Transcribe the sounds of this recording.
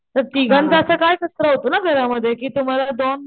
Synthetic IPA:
səɾt̪iɡə̃nt̪aəsakaːjkɐst̪ɾaɦot̪onaɡʱəɾaməd̪ʱjekit̪ʊmalad̪oːn

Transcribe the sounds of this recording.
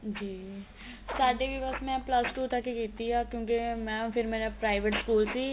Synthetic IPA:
d͡ʒiː | saːɖebibəsmɛ̃ːplɐsʈuːt̪akekiːt̪iɦakjõːk̬emɛ̃ːpʰɪɾmɛ̃ːnepɾaːɪʋeʈskuːlsiː

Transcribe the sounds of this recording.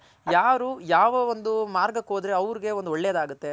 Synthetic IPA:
jaːɾujaːʋɐond̪umaːɾɡɐkoːd̪ɾeɐʋɾiɡe̞ond̪uɔɭːejɐd̪aːɡut̪ːe̞

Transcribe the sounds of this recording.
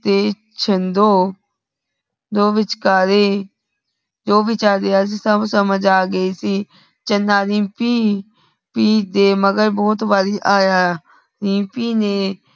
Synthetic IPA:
t̪eː | t͡ʃʰənd̪oː | d̪oːʋɪt͡ʃkaːɾeː | d͡ʒoːʋɪt͡ʃaːɾd̪eːaːs̬iːsəbsəməd͡ʒaːɡəiːsiː | t͡ʃənːaːɾĩːpiː | piːd̪eːməɡəɾbɔːt̪baːɾiːʔaːjaː | ɾĩːpiːneː

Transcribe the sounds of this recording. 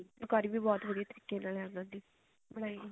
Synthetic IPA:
ʊkaːɾiːbiːbɔːt̪ʋəɽieːt̪əɾiːkːeːnaːləɾd̪ənd̪iː | bəɽ̃aːiːɡiː

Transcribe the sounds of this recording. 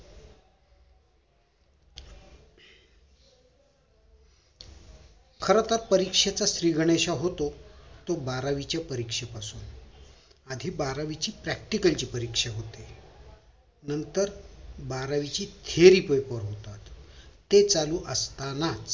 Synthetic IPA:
kʰəɾət̪əɾpəɾikʂet͡saɕɾiɡʱəɳ̃eɕaɦot̪ot̪obaɾaʋit͡ɕjapəɾikʂepasuːn | ad̪ʱiːbaɾaʋit͡ɕiːpɾɛk̚ʈikəlt͡ɕiːpəɾikʂeɦot̪e | nənt̪əɾbaɾaʋit͡ɕiːt̪ʰeɾiːpəjpəɾɦot̪at̪ː | et͡saluːʔəst̪anat͡s

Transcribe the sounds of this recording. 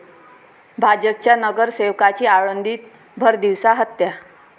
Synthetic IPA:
bʱad͡ʑəp̚t͡ɕjanəɡəɾseʋkat͡ɕiːaɭənd̪ʱiːt̪̚ | bʱəɾd̪iʋsaɦət̪ːja

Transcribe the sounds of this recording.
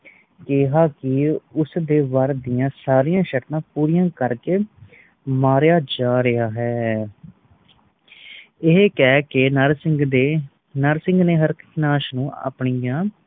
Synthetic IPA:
keɦaːkɪʊsd̪eːʋəɾd̪ɪjãːsaːɾijãːʃəʈt̪ãːpuːɾijãːkəɾkeː | maːɾjaːd͡ʒaːɾəaːɦɛː | ɪɦkɛːkɪnəɾsɪŋɡ̪e | nəɾsɪ̃ŋɡneːɦəɾkkʰnaːʃnũːʔa̰ːpɳijãː

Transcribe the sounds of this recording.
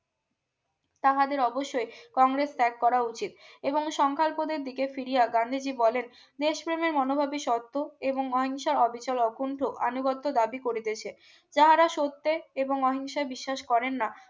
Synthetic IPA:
t̪aɦad̪eɾɔboʃːojkɔŋɾest̪ɛkːɔɾaut͡ɕit̪̚eboŋʃɔŋkʰalpod̪eɾd̪ikefiɾijaɡand̪ʱid͡ʑibɔlen | d̪eʃpɾemeɾmɔnobʱabiʃɔt̪ːoeboŋɔɦiŋʃaɾɔbʱit͡ɕalɔkuɳʈʰoʔa̰nuɡɔt̪ːod̪abikoɾit̪et͡ɕʰe | d͡ʑaɦaɾaʃot̪ːeeboŋɔɦiŋʃaebiʃːaʃkɔɾenːa

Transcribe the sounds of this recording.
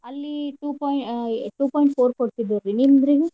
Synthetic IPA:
ɐlːiʈuːpɔjʈuːpɔːjɳʈpʰoːɾkoɽt̪id̪ːuɾinimd̪ɾiɡe

